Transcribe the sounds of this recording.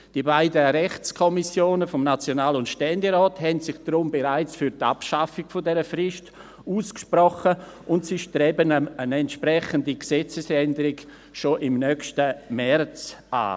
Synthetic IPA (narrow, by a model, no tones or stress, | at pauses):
d̥iəbaɪdəɾɛχt͡skʰɔmisjoːnəfɔmnat͡sjonaːlʊntʃtɛndeɾɔːthɛntsɪχd̥ɾʊmbeɾaɪt͡sfyɾta̰pʃafɪɡ̥fodɛɾəfrɪʃt | uːskʃprɔχə | ʔʊntsɪʃdɾɛbənənɛntʃpɾɛχəndiksɛt͡səsɛndəɾɪɡ | ʃoʔɪmnœkʃtəmɛrt͡sʔa̰ː